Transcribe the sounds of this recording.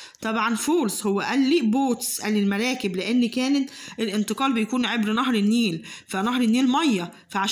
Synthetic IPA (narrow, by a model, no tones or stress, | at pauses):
t̪ˤɑbʕɑnfoːɾshowːæʔælːiːʔboːt̪sʔælːilmæɾˤæːkɪblɪʔenːikæːnet̪ʔelʔɪnt̪ˤɨqɑːlbejkuːnʕebɾnɑɦɾˤɪnːiːlfænɑhɾˤɪnːiːlmɑjːæ | fæʕaʃ